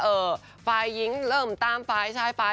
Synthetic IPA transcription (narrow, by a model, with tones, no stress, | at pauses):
ʔɤː˨˧˩ | faː˧jːi˧˥ŋɾɤː˥˩mt̪aː˧˥˩mfaː˧jt͡ɕʰa˧˥˩faː˧